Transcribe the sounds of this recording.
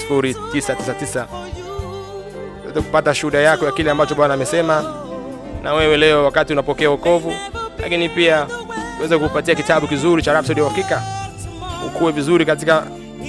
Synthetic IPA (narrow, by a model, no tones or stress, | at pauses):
si̥fuɾitisatisatisa | uwɛ̰zɛkupataʃuuɗajakɔjakilɛambat͡ʃɔɓanaːmɛsɛma | nʔawɛwɛlɛɔwakatiunapɔkɛaukɔvula̰kinipiauwɛzɛkupatiakitaɓukizuɾit͡ʃaɾafsɔɗiwhakika | ṵkuwɛvizuɾikatika